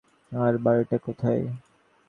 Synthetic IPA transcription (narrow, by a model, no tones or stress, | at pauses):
aɾbaɾiʈakot̪ʰaj